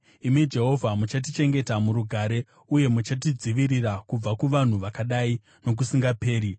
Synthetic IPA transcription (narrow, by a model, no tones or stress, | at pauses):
imid͡ʒe̞ɦo̞vʱamut͡ʃat̬it͡ʃe̞ŋɡe̞tamuɾuɡʱaːɾe̞ | uje̞mut͡ʃat̬id͡ziʋirirakub͡vakuʋan̤uʋakaɗai | no̞k̬usiŋɡape̞ːɾi